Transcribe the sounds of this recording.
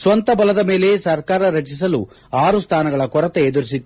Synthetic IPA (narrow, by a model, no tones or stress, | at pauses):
sʋɐnt̪ɐbɐlɐd̪ɐme̞ːle̞sɐɾkaːɾɐɾɐt͡ʃis̬ɐlu | aːɾust̪ʰaːnɐɡɐɭɐkɔɾɐt̪eːd̪uɾisit̪ːu